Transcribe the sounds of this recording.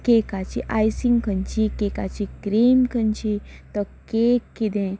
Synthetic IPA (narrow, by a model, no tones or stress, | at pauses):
kekat͡ʃiʔajsiŋkʰənt͡ɕikekat͡ʃikɾimkʰənt͡ʃit̪əkekːid̪ẽ